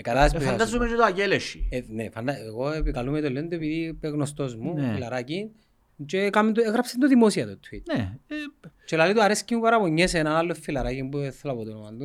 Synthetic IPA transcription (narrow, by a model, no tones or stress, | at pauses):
kalaðesuad̪azumet͡ʃet̪oaceleʃḭnefand̪ɐeɣoepikalumet̪olːend̪uepiðipeɣnost̪ozmuilaɾacin | t͡ʃekamend̪ueɣɾɐpsend̪oðimosiɐt̪ut̪ʰwineet͡ʃelalit̪uɐɾescimupɐɾɐpoɲːesenaːlːofːilɐɾacimbueθːlɐpot̪onomand̪u